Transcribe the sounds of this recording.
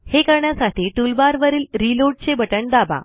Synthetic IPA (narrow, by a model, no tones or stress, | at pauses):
hekəɾɳjasaʈʰiːʈulbaɾʋəɾiːlɾiloʈ̚t͡ɕebəʈəɳd̪aba̰